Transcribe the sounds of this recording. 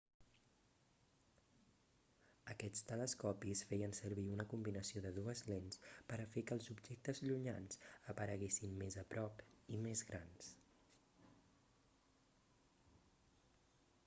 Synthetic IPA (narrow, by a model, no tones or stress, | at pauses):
əkɛt͡st̪ələskɔpisfɛjənsəɾβiunəkumbinəsioðəðuəzlenspəɾəfekəlˠzubʒek̚t̪əzʎuɲa̰nsəpəɾəɣesinmezəpɾɔpimezɣɾans